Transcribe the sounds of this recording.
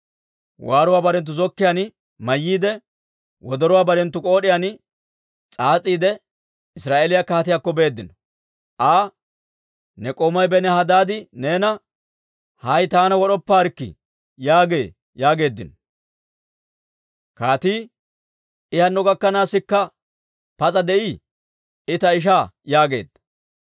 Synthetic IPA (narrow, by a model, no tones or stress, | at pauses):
waːɾʊwaːbɐɾɛnt̪̬ːʊzɔkːɪjanɪ | mɐjːiːd̪ɛ | wɔd̪ɔɾʊwaːbɐɾɛnt̪ːʊkʼoːɗɪjanɪ | t͡sʼaːt͡sʼiːd̪ɛ | ɪsɾaːʔeːlɪjakaːt̪ɪjakːɔbe̞ːd̪ːɪnɔ | ʔaː | nɛkʼoːmɐjbɛnɛhɐd̪aːd̪ɪneːnɐ | hɐjt̪aːnɐwɔɗɔpːaːɾkːɪ̰ | jaːɡe̞̰ː | jaːɡe̞ːd̪ːɪnɔ | kaːt̪iː | ɪhɐnːɔɡɐkːɐnaːsːɪkːɐ | pɐt͡sʼɐd̪ɛʔiː | ɪt̪ɐɪʃ̬aːjaːɡe̞̰ːd̪̥ɐ̥